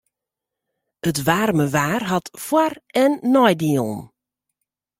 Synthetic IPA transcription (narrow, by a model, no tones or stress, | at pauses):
ətʋaːrməʋaːrɦatfwarɛnːɔjdilˠn